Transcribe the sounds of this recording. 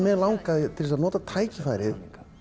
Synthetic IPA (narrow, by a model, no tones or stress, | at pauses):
mɛðlawŋkaðɪt̪ʰɪlsaðnɔːt̪at̪ʰaːjcɪfajɾɪð